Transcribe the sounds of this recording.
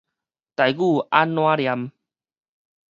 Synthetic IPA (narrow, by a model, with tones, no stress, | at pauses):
t̪a˨jɡu˥˨a˦nːwã˦ɾja˧˦m